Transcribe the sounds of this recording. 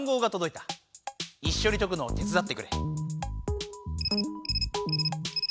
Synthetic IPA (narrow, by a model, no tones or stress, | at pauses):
ŋɡo̞ːɡat̪o̞d̪o̞it̪ḁ | iɕːo̞ɾʲit̪o̞k̬ɯ̟no̞ːt̪ʲet͡sɨd̪at̪ːe̞kɯ̟ɾe̞̰